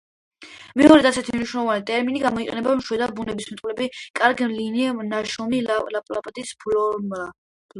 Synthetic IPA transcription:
mɛɔɾɛd̪asɛt̪ʰimniʃwnɛlˠɔvanit̪ʼɛɾminiɡamɔiqʼɛnɛbamʃwɛd̪abunɛbismt̪ʼvlɛbikʼaɾɡimlininaʃɔmilapʼlapʼd̪ispla

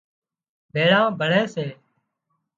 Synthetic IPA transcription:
bʱeːɭãːbʱəɽeːseː

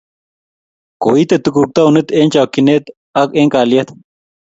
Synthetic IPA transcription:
ko̰ːit̪et̪ukuːk̚t̪aunet̪ent͡ɕaːkːinet̪ | ɐkeːŋkaːlijɐt̪

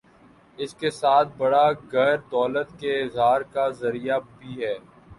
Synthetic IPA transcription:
ɪskesaːt̪̚ʰbɐɽaɡɛɾd̪ɔːlət̪keɪzaːɾkazɐɾijabʱiɦɛː

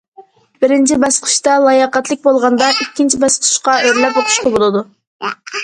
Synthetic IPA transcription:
b̥ɪɾɪnt͡ʃʰibɑsqʰɨ̥ʃt̪ɑlˠɑjɑqɑt̪lˠɪk̚ʲbolˠʁɑnd̪ɑʔikʲːint͡ʃʰibɑsqʰə̥ʃqɑøɾlɛpot̪ʰʊ̥ʃqɑbolˠɨd̪u

